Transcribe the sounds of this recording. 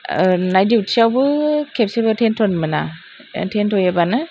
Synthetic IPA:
najdiutsiawbɯkʰep̚sebɯtʰentʰɔnmɯna | tʰentʰɔjabanɯ

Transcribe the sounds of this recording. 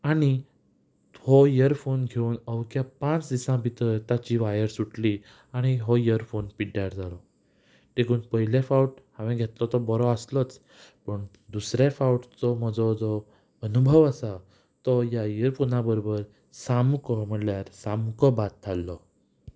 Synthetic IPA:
aɽ̃i | hɔjəɾfonɡʱeunəwkjapãt͡sd̪isãbʱit̪ət̪at͡ɕiʋajəɾsuʈli | aɽ̃iɦɔjəɾfonpiʈjaɾd͡zalɔ | ʈ̪ekuːnpəɦilefauʈhãʋẽɡʱet̪lɔt̪ɔbɔɾɔaslɔt͡s | pəɳ | d̪usɾafawʈt͡sɔm̤əd͡zɔd͡zɔ | ənubʱəʋəsa | t̪ɔjajiəɾfonabəɾobəɾ | samkɔm̤əɽljaɾsamkɔbat̪ʰːalːɔ

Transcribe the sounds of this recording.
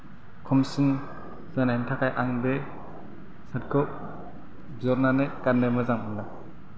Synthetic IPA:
kʰɔmsɯn | z̥anɛntʰakajʔaŋbe | sat̚ɡɔp̚ | zɔɾnanekanːɯmɯzaŋɯnːa

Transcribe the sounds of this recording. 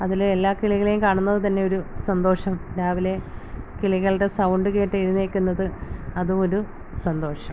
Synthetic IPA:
ɐðiluelːaːkiɭiɣɐɭejumkaːɳunːɐðɨt̪ɐnːe̞o̞ɾusɐnd̪o̞ːʂɐmɾaːʋile̞kiɭiɣɐɭɽesɐwɳɖɨke̞ːʈːɐjɾunːeːkʲːunːɐðɨɐðuo̞ɾu | sɐnd̪o̞ːʂɐm

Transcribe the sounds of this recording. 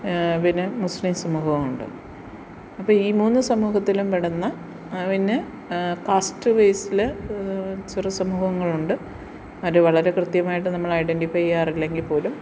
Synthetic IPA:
ʋinɨmuslimsɐmuːhɐʋmuɳɖɨ̰ | ɐpːoːiːmuːnːɨsɐmuːɦɐt̪ːilumpeɽɐnːɐ | ʋinɨ | kaːsʈɨʋejsile | t͡ɕurɐsɐmuːhɐŋːɐɭuɳɖɨ | ɐɐɾeʋɐɭɐɾe̞krɨt̪jɐmaːjiʈːɨnɐmːɐɭɐjɖenɖifɐjaːrilːe̞ŋɡilpo̞ːlum

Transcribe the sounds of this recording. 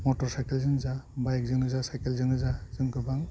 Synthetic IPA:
mɔtɔɾsajkelzɯŋzabajk̚zɯŋɯzasajkelzɯŋɡɯzaz̥ɯŋkɯbaŋ

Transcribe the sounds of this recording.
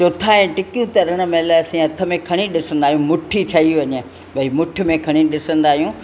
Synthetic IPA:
t͡ʃot̪ʰaːẽːʈɪkjũt̪ɐɾəɽ̃ə̆mẽlaɐsĩːɐt̪ʰə̆mẽkʰɐɽ̃iɗɪsə̃nd̪aːɦijũmʊʈʰit͡ɕʰɐiʋɐɲe | ʋɐimʊʈʰɪ̆mẽkʰɐɽ̃iɗɪsə̃nd̪aːɦijũ

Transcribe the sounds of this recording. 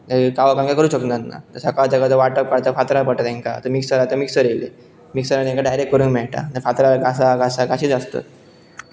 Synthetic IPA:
t̪əkaʋəkãŋɡakəɾuːɕəknanːa̰t̪əɾsəkat̪akat̪əʋaʈəp̚kaɽt̪afat̪ɾapəʈat̪ɛ̃ŋka̰t̪əmiksəɾat̪əmiksəɾelḛ | miksəɾat̪ẽŋkaɖajɾekkːəɾuːnmɛɭʈa̰t̪əɾfat̪ɾaɡʱasaɡʱasaɡaɕiːt͡sast̪a̰t̪̚

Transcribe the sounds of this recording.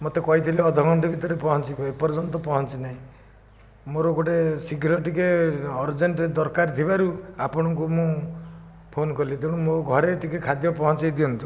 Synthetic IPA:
mot̪ekɔɦit̪ʰileɔd̪ʱɔɡʱɔɳʈɔbʱit̪ɔɾepɔɦɔnt͡ʃikɔepɔɾd͡ʒɔnt̪ɔpɔɦɔnt͡ʃinaɦĩ | moɾoɡoʈesiɡʱɾɔʈikeɔɾd͡ʒeɳʈd̪ɔɾkaɾt̪ʰibaɾuapɔɽ̃ɔŋkumũ | pʰonkɔlid̪euɽ̃umoɡʱɔɾeʈikekʰad̪jɔpɔɦɔnt͡ʃajd̪iɔnt̪u

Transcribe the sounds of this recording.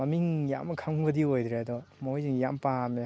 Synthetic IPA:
ɐmiŋja̰mɐkʰaŋbɐdiojd̪ɾedɔmoojziŋjampame

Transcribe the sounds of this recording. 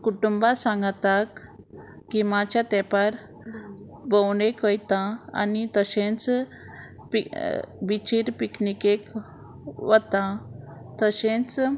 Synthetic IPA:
kuʈumbasãŋɡt̪akː | imat͡ɕjat̪ɛpaɾ | bəwnekəjt̪ãa̰nit̪əsẽt͡s | pibit͡ɕiɾpiknikek | ʋət̪ãt̪əɕẽt͡s

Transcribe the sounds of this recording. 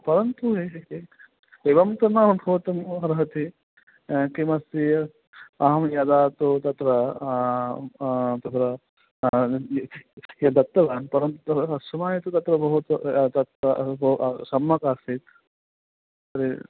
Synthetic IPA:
pɐɾɐnt̪ue | eʋɐmt̪ɐnamɐbʱɐʋɐt̪ɐmɦɐɾɐɦɐt̪i | kimɐsi | ɐɦɐmjad̪aːt̪ut̪ɐt̪ɾɐ | t̪ɐt̪ɾɐ | jɐd̪ɐt̪ːɐʋaːnpɐɾɐnt̪ut̪ɐɐsɐmaːjet̪ut̪ɐt̪ɾɐbɐɦut̪t̪ɐt̪ɐbɐsɐmːɐkaːsit̪ | ɐɾi

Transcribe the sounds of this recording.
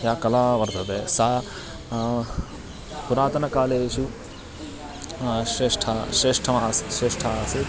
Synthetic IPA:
jaːkɐlaːʋɐɾd̪ʱɐt̪eːsaː | puɾaːt̪ɐnɐkaːleːʃu | ʃɾeːʂʈʰaːʃɾeːʂʈʰɐaːsʃɾeːʂʈʰaːse

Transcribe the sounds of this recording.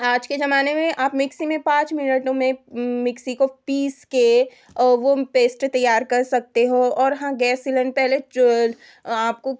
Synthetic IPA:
aːd͡ʒked͡ʒɐmaːnemẽʔaːpmɪksimẽpãːt͡ʃmɪnəʈõmẽmɪksikopiːske | ʋopeːsʈt̪ɐjːaːɾkɐɾsɐk̚t̪eɦõɔːɾɦãɡɛːsiləɳɖpɛɦlet͡ʃol | aːp̚ko

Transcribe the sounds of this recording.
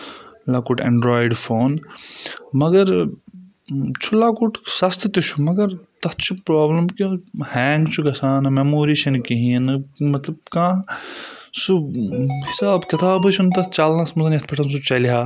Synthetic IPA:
laːkuʈʰɐ̰̃ɳɖɾaːjɖfʰoːn | mɐɡɐɾ | t͡ʃʰulaːkuʈʰsɐst̪ʰt̪ut͡ʃʰumɐɡɐɾt̪ɐt͡ʃʰupɾaːbləmkuhɛːnt͡ʃʰuɡɐsaːnɐmemoːɾiːʃɐnkiɦĩnmɐt̪lɐb̚kãː | suhɪsaːbkɪt̪aːbɨt͡ʃʰunt̪ɐt͡ʃaːlnãːsmɐzɐnɐt̪pɐʈʰɐns̬ut͡ʃɐliɦaː

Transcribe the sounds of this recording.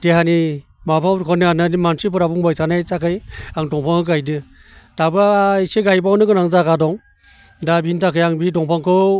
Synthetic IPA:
d̥ehani | mapʰawɾkʰɔniananimansʰipɯɾabuŋbajsanajsakʰɯjaŋdɔŋpʰaŋhɯɡajdɯ | d̥abajseɡajbawnɯɡɯnaŋzakadɔŋ | dabintakʰɯjaŋbidɔŋpʰaŋkʰɯ

